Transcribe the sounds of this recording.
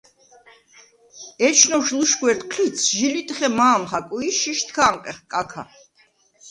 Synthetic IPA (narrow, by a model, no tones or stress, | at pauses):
ɛt͡ʃʰnɔʃluʃɡwɛɾt̪ʼqʰlit̪sʰʒilit̪ʼχɛmaːmχakʼuiʃiʃt̪ʰkʰaːŋqʼɛχkʼakʰa̰